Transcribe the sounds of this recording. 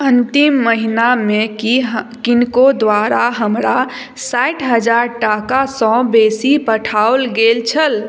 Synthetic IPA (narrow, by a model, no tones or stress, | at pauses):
ənt̪imːəɦiname | kinkod̪ʋaɾaɦəmɾa | saʈʰɦəd͡ʒaɾʈakasɔ̃besipəʈʰaolɡelt͡ʃʰəl